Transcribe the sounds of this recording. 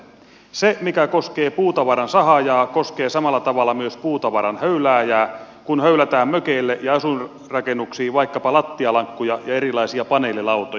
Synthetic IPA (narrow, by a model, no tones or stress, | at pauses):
semikækoskeːpuːt̪ɑʋɑɾɑnsɑhɑjɑːkoskeːsɑmɑlːɑt̪ɑʋɑlːɑmyøspuːt̪ɑʋɑɾɑnhøylæːjæː | kunhøylæt̪æːmmøkeilːeʔjɑɑsun | rɑkenːuksiːʋɑikːɑpɑlɑt̪ːiɑlɑŋkːujɑjɑerilɑisiɑpɑneːlːilɑwt̪o